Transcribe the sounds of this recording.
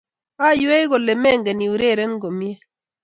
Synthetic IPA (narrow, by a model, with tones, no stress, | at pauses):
a˦˨ju˦ɛ˦jɣɔ˨lɛ˨mɛ˦˨ŋɡɛ˨ni˨u˨ɾe˦˨ɾɛ˦nɡo˨mjɛ˦